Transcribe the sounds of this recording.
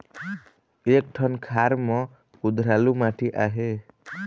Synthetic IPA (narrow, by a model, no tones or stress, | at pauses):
ek̚ʈʰʌnkʰaɾmɔ̃ | kud̪ʱɾalumaʈʰiʔaɦe